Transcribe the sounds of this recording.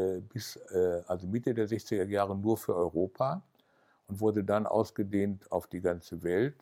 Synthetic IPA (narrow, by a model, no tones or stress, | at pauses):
bɪsɛʔalzomɪtədeːɐzɛçt͡sɪɡɐjaːʁənuːɐfyːɐʔɔʏʁoːpʰaː | ʔʊntv̥ʊɐdədanʔa̰ʊsɡ̥ədeːntʰaʊfd̥iːɡant͡səvɛlt